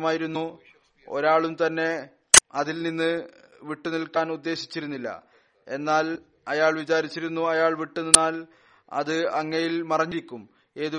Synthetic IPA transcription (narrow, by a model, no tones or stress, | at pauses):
maːjiɾunːu | o̞̰ɾaːɭumt̪ɐnːe̞ | ɐðilninːɨ | ʋiʈːunilkːaːnud̪ːe̞ːɕi̥t͡ɕːiɾunːilːɐ̰ | e̞nːaːl | ɐjaːɭʋit͡ɕaːɾit͡ɕːiɾunːuɐjaːɭʋiʈːuninaːl | ɐ̰ðɨɐŋːɐjilmɐrɐɲːiɾikʲːum | e̞ːðu